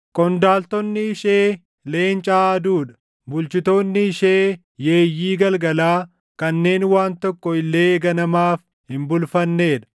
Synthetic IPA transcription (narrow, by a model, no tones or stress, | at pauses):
kʼɔnd̪aːlt̪ɔnːɪɪʃeː | le̞ːnt͡ʃʼaːɐd̪uːᶑɐ̥ | bʊlt͡ʃɪt̪oːnːɪɪʃeː | je̞ːjːiːɡɐlɡɐlaː | kɐnːe̞ːnwaːnt̪ɔkːɔɪlːeːɡɐnɐmaːf | hɪmbʊlfɐnːe̞ːᶑɐ̥